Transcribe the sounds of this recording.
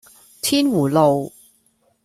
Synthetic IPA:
t̪ʰiː˥nwuː˨˩lo˨w

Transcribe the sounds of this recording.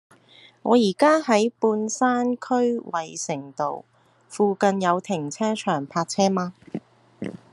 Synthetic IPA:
ŋɔ̰ː˨˧jiː˨˩kaː˥hɐ˨˥jpuː˧nsaː˥nkʰɵ˥ɥwɐ˨jsɪ˨˩ŋt̪o˨w | fuː˨˧kɐ˧njɐ˨˧wt̪ʰɪ˨˩ŋt͡sʰɛː˥t͡ʃʰœː˨˩ŋpʰaː˧k̚t͡sʰɛː˥maː˧

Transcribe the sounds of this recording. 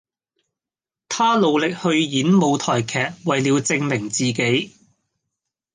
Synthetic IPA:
t̪ʰaː˥lo˨˧wlɪ˨k̚hɵ˧ɥjiː˨˥nmo˨˧wt̪ʰɔː˨˩jkʰɛː˨k̚wɐ˨jliː˨˧wt͡sɪ˧ŋmɪ˨˩ŋt͡siː˨ke˨˥j

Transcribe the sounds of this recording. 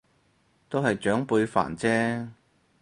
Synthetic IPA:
t̪o˥whɐ˨jt͡ʃœː˨˥ŋpuː˨˧ɥfa̰ː˨˩nt͡sɛː˥

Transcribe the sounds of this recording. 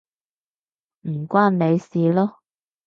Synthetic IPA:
m̩˨˩kʷaː˥nne˨˧jsiː˨lɔː˥

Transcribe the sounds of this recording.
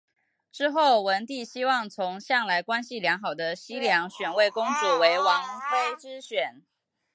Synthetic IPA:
ʈ͡ʂɻ̩˥xo˥˩ʊwə˧˥nt̪i˥˩ɕi˥wɑ˥˩ŋt͡sʰʊ˧˥ŋɕjɑ˥˨˩ŋla˧˥ɪkwa˥nɕi˨ljɑ˧˥ŋxɑ˨˩ʊd̪ə˦ɕi˥ljɑ˧˥ŋɕɥɛ˨˩nwe˥˩ɪkʊ˥ŋt͡su˨˩we˧˥ɪwɑ˧˥ŋfe˥ɪʈ͡ʂɻ̩˥ɕɥɛ˨˩˦n

